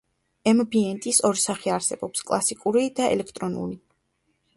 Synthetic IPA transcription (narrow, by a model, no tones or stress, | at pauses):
ɛmbiɛnt̪ʼisɔɾisaχiaɾsɛbɔpskʼlˠasikʼuɾid̪aɛ̰lɛkʰt̪ʼɾɔnṵli